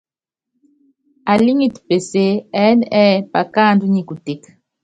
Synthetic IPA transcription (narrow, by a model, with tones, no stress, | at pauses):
a˨li˦ŋi˦tu̥pe˨se˦ɛ˦nɛ˦pa˨kaː˦˨ndu˦ɲi˨ku˨te˦k